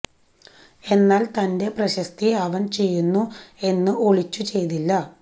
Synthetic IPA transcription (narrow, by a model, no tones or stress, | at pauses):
e̞nːaːlt̪ɐnde̞prɐɕɐst̪iɐʋɐnt͡ɕe̞jːunːue̞nːɨʔo̞ɭit͡ɕːut͡ɕe̞jt̪ilːɐ